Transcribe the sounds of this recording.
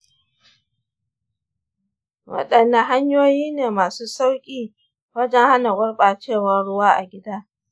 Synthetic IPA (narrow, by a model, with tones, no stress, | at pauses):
wɐ̰˦ɗɐ˨nːɐ˦ɦa˦ɲjoː˦jiː˦neː˨maː˨suː˦sa˦wkʲʼiː˦ | wɐ˦d͡ʒɛ˦ŋha˦na˨ɡʷʊ˦ɽɓaː˨t͡ʃeː˦˨wɐ˦ɽʊ˦waː˦ʔa̰˨ɡʲɪ˦daː˦